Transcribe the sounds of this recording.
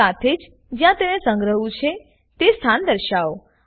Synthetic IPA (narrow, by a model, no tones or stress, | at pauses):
at̪ʰed͡ʒ | d͡ʒjãt̪enesə̃ŋɡɾəɦũt͡ʃʰe | t̪est̪ʰand̪əɾʃao